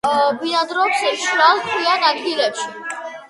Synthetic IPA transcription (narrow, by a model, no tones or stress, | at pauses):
biad̪ɾɔpsɛʃɾalˠkʰwianad̪ɡilɛpʃi